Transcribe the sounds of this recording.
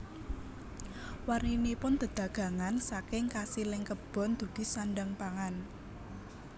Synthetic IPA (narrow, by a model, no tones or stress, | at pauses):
warninipʊnd̪̥ə̤d̪̥ä̤ɡ̥ä̤ŋansakɪŋkasilɪŋkəb̥ɔ̤nd̪̥ṳd̪̥i̤sanɖaŋpaŋan